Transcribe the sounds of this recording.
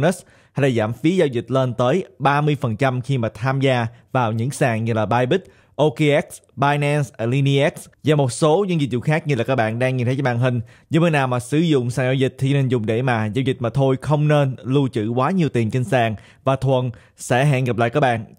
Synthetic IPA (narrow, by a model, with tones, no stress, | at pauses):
nə˦˥s | ha˧jlaː˨˩zaː˧˩mfi˨˦zaː˧wzï˨˩k̟̚le˧nt̪əː˨˦jɓaː˧mɨ˧əjfə˨˩nt͡ɕa˧mxi˧maː˨˩t̪ʰaː˧mzaː˧vaː˨˩wɲɨ̰˧˥ŋsaː˨˩ŋɲɨ˧laː˨˩ɓaː˧jɓi˦˥t̚ | ʔo˧ki˧ʔɛ˦˥k̚sɓaː˧jnɛ˧nsʔə˨˩li˧ni˧ʔɛ˦˥k̚szaː˨˩mo˨˩t̚so˨˦ɲɨ̰˧˥ŋzi˨˩t̚zṵ˧˨xaː˦˥k̚ɲɨ˧la˨˩kaː˦˥k̚ɓa̰ː˧˨nɗaː˧ŋːi˨˩t̪ʰə˨˦t͡ɕːə˦ɓaː˧˨˩nɦï˨˩ŋ̟ | zɨ̰˧˦məː˨˦jnaː˨˩wmaː˨˩sɨ˧˩zʊ̰˧˨ŋ͡msaː˨˩ŋzaː˧wzi˨˩t̪ʰi˨˩˧ne˧nzʊ˨˩ŋ͡mɗe˧˩maː˨˩zaː˧wzï˨˩k̟̚maː˨˩t̪ʰo˧jxə˧wŋ͡mne˧nlu˧t͡ɕɨ̰˧˩kwaː˨˦ɲi˨˩əwt̪i˨˩ənt͡ɕi˧nsaː˧˨˩ŋ | vaː˨˩t̪ʰwə˨˩n | sɛ̰˧˥ɦa̰ː˧˨nɣə˨˩p̚la̰ː˧˨jkaː˦˥k̚ɓa̰ː˧˨nʔ